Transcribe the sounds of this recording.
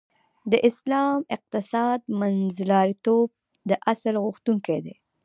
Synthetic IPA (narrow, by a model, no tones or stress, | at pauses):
d̪əʔɪslɑmɪq̚t̪ɪsɑd̪̚manzlɑɾit̪ob̚ | d̪əʔasalɣʊxt̪uŋked̪e